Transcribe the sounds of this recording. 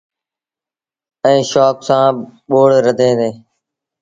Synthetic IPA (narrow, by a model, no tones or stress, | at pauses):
ɛ̃ːʃoːksãːɓoːɽɾəd̪ʱẽːd̪eː